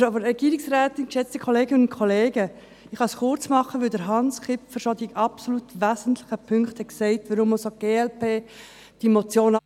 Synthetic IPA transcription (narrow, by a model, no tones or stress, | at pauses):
obəɾɛɡ̥iːɾɪksɾæːt̪ɪnkʃɛt͡stəkʰχɔleːɡənʊnkʰχɔleːɡə | ɪχɑsχʊrt͡smɑχːəʋʏldəɾɦɑnsχɪpfəɾʃɔd̪iɡʔɑpsolut̪ʋæːzən̩tlɪχəpʰʏŋkχtʰhɛksɛɪtʋəɾʊmosoɡ̥eːɛlpeː | d̥imot͡sjoːn